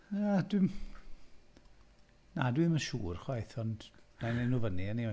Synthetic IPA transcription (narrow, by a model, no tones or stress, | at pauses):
adwɪm | nadwɨməʃṵːrχwajθɔndnanenuvəniənia